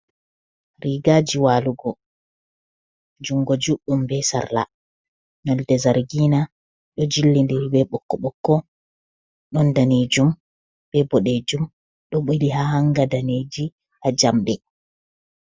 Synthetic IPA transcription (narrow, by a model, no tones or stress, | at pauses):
ɾiɡaːd͡ʒiwaːluɡɔ | d͡ʒuŋɡɔd͡ʒuɗːumbɛsa̰ɾla̰ | nɔldɛzaɾɡiːna | ɗɔd͡ʒilːindiɾibɛɓɔkːɔɓɔkːɔ | ɗɔndaned͡ʒum | b̥ɛbɔɗed͡ʒum | ɗɔɓiliɦahaŋɡadaned͡ʒi | had͡ʒamɗɛ